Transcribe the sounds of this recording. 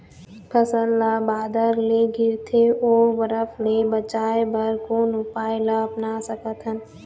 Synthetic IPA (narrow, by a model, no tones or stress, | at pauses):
pʰəsəllabaːd̪əɾleɡɪɾt̪ʰeoːɾʋəɾəfʰlebət͡ʃaːebəɾkoːnʊpaːjɪlaɐpnasəkət̪ɦən